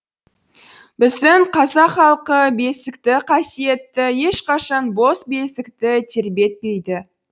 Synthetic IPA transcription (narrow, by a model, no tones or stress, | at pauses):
bɪzd̪ɪɴqʰɑzɑqχɑlˠqəbe̞sɪkt̪ɪqʰɑsije̞t̪ːɪje̞ʃqɑʃɑnbo̞sbe̞sɪkt̪ɪt̪ʰeɾbe̞t̪̚pe̞jd̪ɪ